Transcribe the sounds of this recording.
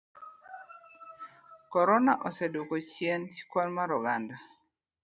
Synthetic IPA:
kɔɾɔnaʔɔsɛdukot͡ʃjent͡ʃi̥kwɔlmaɾɔɡanda

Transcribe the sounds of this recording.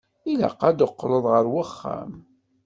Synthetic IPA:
ila̰qːad̪əqːləðˤʁəɾwəχːæ̰m

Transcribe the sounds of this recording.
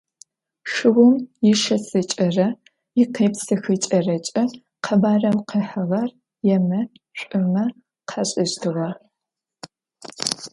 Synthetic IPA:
ʂɨwʊmjɪʃɐsɨt͡ʃʼɐrɐ | ɪqeːpsɨxɨt͡ʃʼɐrɐt͡ʃʼɐ | qʰɐbaːrɐwqʰeːħɐʁɐr | jɛmɐ | ɕʷʼʊmɐ | qʰɐɕʼɪɕtʰɨʁɐ

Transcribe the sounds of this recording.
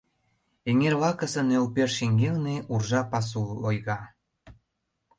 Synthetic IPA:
eŋerβɑkə̆sə̆nølperʃiŋɡelneurʒɑpɑs̬ulojɣɑ

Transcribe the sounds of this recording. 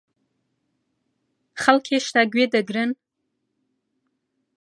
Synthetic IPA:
χalkʲʰeʃtʰaɡʲʷɥedaɡrɨn

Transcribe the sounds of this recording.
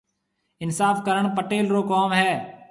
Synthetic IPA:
ɪnsaːfkəɾəɽ̃pəʈeːlɾokɔːmɦɛː

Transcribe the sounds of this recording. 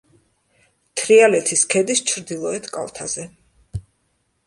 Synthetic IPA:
t̪ʰɾialɛt̪ʰiskʰɛd̪ist͡ʃʰɾd̪ilˠɔɛt̪ʰkʼa̰lˠt̪ʰa̰zɛ

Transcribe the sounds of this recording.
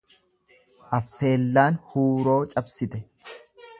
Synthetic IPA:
ʔɐfːe̞ːlːaːnhuːɾo̞ːt͡ʃʼɐbsɪt̪ɛ

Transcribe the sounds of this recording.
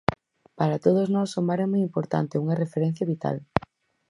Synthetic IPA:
paɾat̪oð̞oznɔsomaɾɛmɔjimpoɾt̪a̰nt̪euŋɐrefeɾɛn̟θjaβit̪a̰l

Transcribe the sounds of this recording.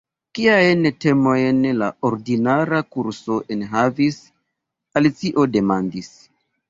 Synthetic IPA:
kiajnte̞mo̞jnlaoɾdinaɾakuɾso̞ʔenɦavis | alit͡siʔo̞de̞mandis

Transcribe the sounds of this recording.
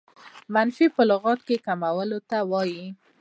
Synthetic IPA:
manfipəlʊɣɑt̪kekamawəlot̪awɑji

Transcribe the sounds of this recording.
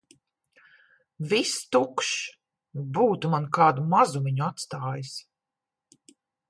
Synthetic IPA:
vist̪ukʃ | buːt̪umankaːd̪umazumiɲuat̪st̪aːjis

